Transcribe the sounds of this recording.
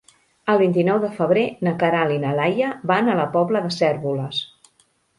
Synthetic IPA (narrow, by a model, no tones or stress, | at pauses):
əlˠβint̪inɔwðəfəβ̞ɾenəkəɾalinəlajəbanələpɔbləðəsɛɾβuləs